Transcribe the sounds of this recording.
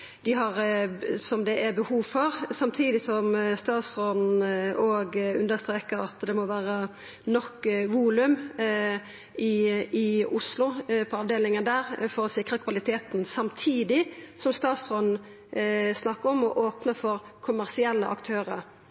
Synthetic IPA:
d̪̥ɪɦɑʁsɔmd̪ɛʔæbəhuːʋfɔʁsɑmt̪ʰiːd̪ɪsɔmst̪ɑːt̪sʁɔnnoːɡʉ̰nd̪əst̪ɾeːkəɾɑt̪d̪ɛmɔʋæːʁə | nɔkːʋuːlʉm | ɪɪʊslʊpʰɔɑːʋd̪eːlɪŋənd̪æːʁfɔɾɔsɪkʁəkʰʋɑlɪt̪ʰeːt̪n̩sɑmt̪ʰiːd̪ɪsɔmst̪ɑːt̪sʁɔnn̩ | snɑkːəɾɔmɔʔoːpnəfɔʁkʰʊmæʁsɪɛlːə̰ʔɑ̰kt̪ʰøːʁəɾ

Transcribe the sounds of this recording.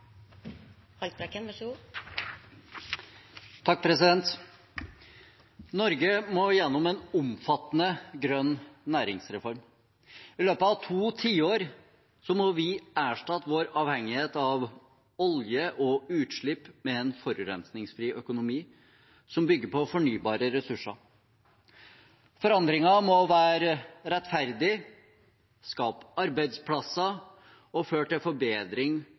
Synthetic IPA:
hɑlt̪̚bɾɛkːənʋɑʂu | t̪ʰɑk̚ːpʰɾɛsɪd̪ɛnt̪ | nɔɾɡəmoːjɛnːɔmɛnʊmfɑt̪ːənəɡɾœnːæːɾɪŋsɾɛfɔɾm | ɪløːpəɑʋt̪ʰuːt̪ʰiːoːɾ | sɔmɔʋɪæːʂʈɑt̪ʋoːɾɑːʋhɛŋːɪheːt̪ɑʋ | ɔljəʔɔʉːt̪ʂɭɪpːmɛɛnfɔɾʉɾɛnsnɪŋsfɾiːʔœkʊnʊmiː | sɔmbʏɡːəpʰɔfɔɳyːbɑːɾəɾɛsʉʂɑ | fɔɾɑnd̪ɾɪŋɑmɔʋæːɾɾɛt̪ːfæɾd̪ɪ | skɑːpɑɾbæɪd̪spʰlɑsɑ | ɔføːʈɪlfɔɾbeːd̪ɾɪŋ

